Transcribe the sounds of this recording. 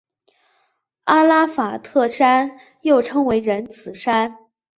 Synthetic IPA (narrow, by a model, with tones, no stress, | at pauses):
a˥la˥fa˨˩t̪ʰɤ˥˩ʂa˥n | jo˥˩ʊʈ͡ʂʰɤ˥ŋwe˧˥ɪɻə˧˥nt͡sʰɹ̩˨˩ʂa˥n